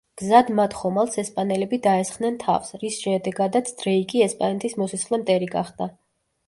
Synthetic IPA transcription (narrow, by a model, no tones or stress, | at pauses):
ɡ̥zad̪mat̪ʰχɔmalˠsɛspʼanɛlɛbid̪aɛsχnɛnt̪ʰa̰fsɾisʃɛd̪ɛɡad̪at̪sʰd̪̥ɾɛikʼiɛspʼanɛt̪ʼismɔsisʰχlɛmt̪ʼɛɾiɡa̰χd̪a